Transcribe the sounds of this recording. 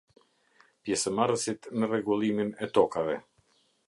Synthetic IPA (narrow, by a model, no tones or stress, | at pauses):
pjɛsəmaɾəsit̪nərɛɡulˠiminɛt̪ɔkavɛ